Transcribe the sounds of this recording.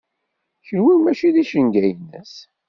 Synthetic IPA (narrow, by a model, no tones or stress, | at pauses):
çəlwimæʃiðiʃənɡæjnə̰s